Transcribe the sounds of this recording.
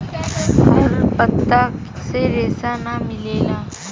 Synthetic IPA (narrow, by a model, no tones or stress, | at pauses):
ɦoɾpət̪ːak | seɾesanamilela